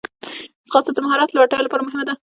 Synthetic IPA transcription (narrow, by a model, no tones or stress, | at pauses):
sxɑsad̪əmaɦɑɾɑt̪lawaʈɑjolapɑɾamʊɦɪmad̪a